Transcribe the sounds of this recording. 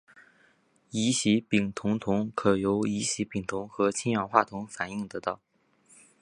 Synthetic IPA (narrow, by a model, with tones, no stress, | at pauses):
i˧˥ɕi˧˥pi˨˩ŋt̪ʰʊ˧˥ŋt̪ʰʊ˧˥ŋkʰɤ˨˩jo˧˥ʊi˧˥ɕi˧˥pi˨˩ŋt̪ʰʊ˧˥ŋxɤ˧˥t͡ɕʰi˥njɑ˨˩xwa˥˩t̪ʰʊ˧˥ŋfa˨˩ni˥˩ŋt̪ɤ˧˥t̪ɑ˥˩ʊ